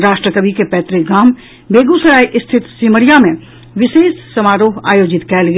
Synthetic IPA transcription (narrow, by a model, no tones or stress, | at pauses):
ɾaːʃʈɾəkəbikepɛːt̪ɾɪɡaːm | bʱeːɡusɐɾaːiʔɪst̪ʰɪt̪siːməɾjamẽ | ʋɪʃeːssɐmaːɾoːɦa̰ːjoːd͡ʒɪt̪kɛːlɡ